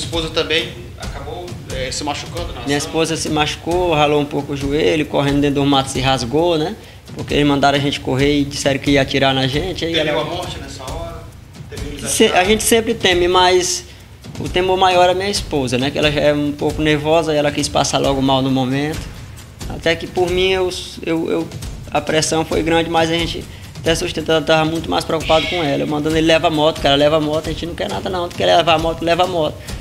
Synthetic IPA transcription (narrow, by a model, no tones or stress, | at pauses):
iɐispozɐt̪ɐ̃bẽj̃ | a̰kabowɛsɪmaʃu̥kɐ̃nd̪ʊnɛ̃mĩɲɐispozɐsɪmaʃu̥koɦaloũpowkʊʊʒuelʊkoɦẽnd̪ʊd̪ẽd̪ʊ̃mat̪ʊ̥sɪɦazɡonɛ | poɾkeelɪmɐ̃nd̪aɾaʒẽnt͡ʃɪ̥koɦeɾɪd͡ʒisɛɾʊ̃kɪiɐat͡ʃiɾaɾnɐʒẽt͡ʃɪaiɛlɐɐmɔɾt͡ʃɪnɛsɐɔɾɐ | sẽaʒẽt͡ʃɪ̥sẽmpɾɪt̪ẽmɪmajs | ʊ̰t̪ẽmoɾmajɔɾɛɐmĩɲɐispozɐnɛkɪɛ̰lɐʒaɛɾũpowkʊneɾvɔzɐɛlɐkispa̰salʔɔɡʊmawnʊmomẽt̪ʊ̥ | a̰t̪ɛkɪpoɾmĩewewḛw | ɐpɾɛsɐ̃w̃fo̰jɡɾɐ̃d͡ʒɪmajzɐʒẽnt͡ʃɪ̰ | t̪ɛ̃suʃt̪ẽt̪t̪avɐmũj̃t̪ʊma̰jspɾeokupad̪ʊkõɛlɐḛwmɐ̃nd̪ɐ̃d̪elɪlɛvamɔt̪ʊ̥kɪɛlɐlɛvamɔt̪ʊɐʒẽt͡ʃɪnɐ̃w̃kɛ̰ɾnad̪ɐnɐ̃w̃d̪ʊkɪɛlɛɛvamɔt̪lɛvamɔt̪ʊ̥